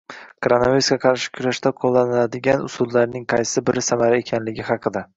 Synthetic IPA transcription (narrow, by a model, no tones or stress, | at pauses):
kʰɾanavʲeskʲaqʰɑɾʃɪ̥kʲʰʊɾaʃt̪aqʰolˠːanɪlad̪ɪɡʲanʊ̰sʊd̪laɾnɪŋqʰɑjsɪbɪɾɪsamaɾae̞kʲʰanlɪɡʲɪɦɑqʰɨd̪a